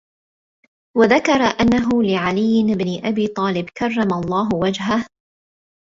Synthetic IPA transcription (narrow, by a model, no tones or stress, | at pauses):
waðakɑɾˤɑʔanːaɦʊlɪʕalɪjːɪɪbnɪʔabiːt̪ˤɑːlɪbkɑrˤːɑmalˤːɑːɦʊwad͡ʒɦah